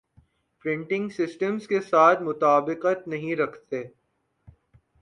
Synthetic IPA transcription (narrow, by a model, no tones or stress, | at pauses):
pɾɪ̃ɳʈɪ̃ŋɡsɪsʈə̃mzkesaːt̪ʰmʊt̪aːbɪqət̪nɐɦĩɾɐkʰt̪eː